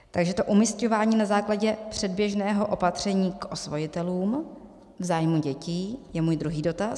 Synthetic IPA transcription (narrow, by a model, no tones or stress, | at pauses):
t̪aɡʒɛt̪o̞ʔumisco̞vaːɲiːnazaːklaɟɛpr̝̥ɛd̚bjɛʒnɛːɦo̞ʔo̞pat̪r̝̥ɛɲiːkʔo̞svojɪt̪ɛluːm | vzaːjmuɟɛciːjɛmuːjd̪ɾuɦiːdo̞t̪a